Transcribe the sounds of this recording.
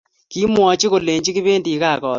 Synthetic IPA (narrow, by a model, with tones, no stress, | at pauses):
ki˦mwɔ˨t͡ʃi˦ko˨le˨ɲd͡ʒi˦ki˦βe˦ndi˨˦kaː˦˨kɔː˨t